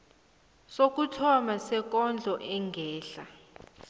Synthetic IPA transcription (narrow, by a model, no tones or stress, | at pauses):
sok̬ʼutʰɔmasɛk̬ʼɔnd͡ɮʱɔʔɛŋɡʱɛːɬa